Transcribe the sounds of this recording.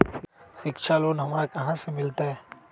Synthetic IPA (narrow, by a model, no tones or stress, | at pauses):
ʃɪkʃʰaloːnɦɐmɾakɐɦãsemɪlt̪aɦɛː